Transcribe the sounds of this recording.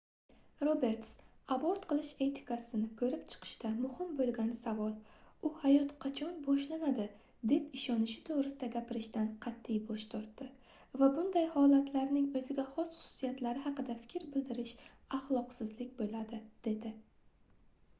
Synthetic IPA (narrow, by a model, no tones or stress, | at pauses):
ɾobe̞ɾt̪saboɾt̪qɨlˠɪʃe̞t̪ʰɪ̥kʰasɪnɪkʰɵɾɪpt͡ʃʰɨ̥qʰɨ̥ʃt̪amʊhɪmbolˠɡʲanɪsavɒlˠʊhajɒt̪qʰɑt͡ʃʰɒnbɒʃlanad̪ɪ | d̪e̞pɪʃɒnɪʃɪ̥t̪ʰovɾɪsɪd̪aɡʲapɪɾɪʃt̪anqʰɑt̪ʰːɪjbɒʃt̪ʰɒɾt̪ːɪ | vabʊnd̪ajhɒlat̪laɾnɪŋɵzɪɡʲaχɒsχʊ̥sʊ̥sijat̪laɾɪɦɑqɨd̪afɪ̥kʲɾbɪld̪ɪɾɪʃ | aχlˠɒqsɪzlɪk̚ʲbolad̪ɪd̪̥e̞d̪ɪ